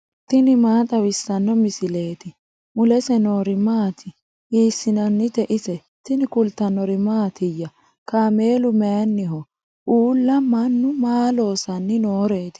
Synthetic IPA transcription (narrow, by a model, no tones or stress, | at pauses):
t̪ɪnɪmaːt̪ʼɐwɪsːɐnːɔmɪsɪle̞ːt̪ɪ | mʊlɛsɛnoːɾɪmaːt̪ʰɪ | ʔiːsːɪnɐnːɪt̪ɛʔɪsɛ | t̪ɪnɪkʊlt̪ɐnɔɾɪmaːt̪ɪjːɐ | kaːme̞ːlʊmɛjɐnːɪɦɔ | ʔuːlːɐmɐnːʊmaːlo̞ːsɐnːɪnoːɾe̞ːt̪ɪ̥